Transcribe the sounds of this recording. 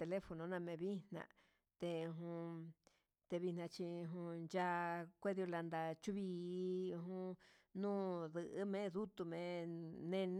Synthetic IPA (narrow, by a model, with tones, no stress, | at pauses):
t̪e˧le˦fo˧nõ˧˦nã˧mẽ˧βi˦n̥nã̰˧ | t̪e˧ɦũ˧ | t̪e˧βi˧nã˧t͡ʃi˧ɦũ˧nd͡ʒa˧kʷe˦ði˧o˧la˧nd̪a˧t͡ʃu˦βiː˧˦˧ɦũ˦nũː˦ðɨ˧ʔɨ˦mẽ˦ðu˦t̪u˧mẽ˨˧nẽ˧n